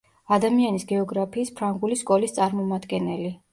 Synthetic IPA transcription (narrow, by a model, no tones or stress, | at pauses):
ad̪amianisɡɛɔɡɾapʰiːspʰɾaŋɡuliskʼɔlist̪sʼaɾmɔmad̪ɡɛnɛli